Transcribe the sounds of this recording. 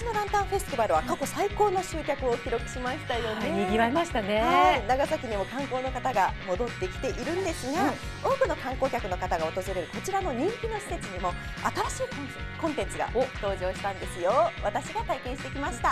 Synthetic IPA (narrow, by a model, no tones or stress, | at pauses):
ino̞d̪ãnt̪ãɰ̃ɸe̞sɨ̥t̪ebaɾɯ̟βakako̞saiko̞ːnoɕɨːkʲakɯ̟o̞kʲiɾo̞kɯ̟̥ɕimaɕi̥t̪ajo̞neiɡʲiβaimaɕi̥t̪aneanaɡazakʲiɲ̟imo̞kãŋko̞ːno̞kat̪aɡamo̞d̪o̞t̪ːekʲi̥t̪e̞ʔiɾɯ̟̃nd̪e̞sɨɡa | o̞ːkɯ̟no̞kãŋko̞ːkʲakɯ̟no̞kat̪aɡaot̪o̞zɨɾe̞ɾɯ̟ko̞t͡ɕiɾano̞ɲ̟ĩŋkʲino̞ɕi̥se̞t͡sɨɲ̟imo̞ | at̪aɾaɕiːk | kõ̞nt̪e̞nt͡sɨɡa̰t̪o̞ːʑo̞ːɕi̥t̪ãnd̪e̞sɨjoβat̪aɕiɡat̪aikẽ̞ɕi̥t̪e̞kʲimaɕi̥t̪a